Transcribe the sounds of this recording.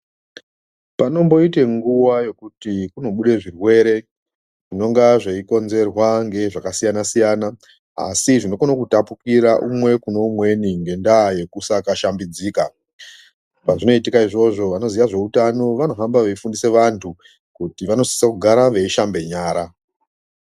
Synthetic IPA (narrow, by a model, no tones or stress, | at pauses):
pano̞mbo̞ite̞ŋɡuʋaje̞kutikuno̞ɓuɗe̞ʐirwe̞ɾe̞ | ʐ̥ino̞ŋɡaʐeiko̞nze̞rwaŋɡe̞ʐakasijanasijana | a̰siʐino̞konokutapukiɾaʔumwe̞kuno̞umwe̞niŋɡe̞ndaje̞kusakaʃambid͡ziːka | paʐino̞itikaiʐo̞ʐo̞ʋano̞ziʋaʐe̞utano̞ʋano̞ɦambaʋeifundise̞ʋantʰu | kutiʋano̞si̥sakuɡʱaɾaʋe̞iʃambe̞ɲaːɾa